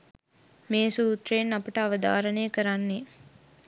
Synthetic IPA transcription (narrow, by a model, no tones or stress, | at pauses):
meːsuːt̪ɾenːɐpuʈɐɐʋɐd̪a̰ːɾɐneːkɐɾanːe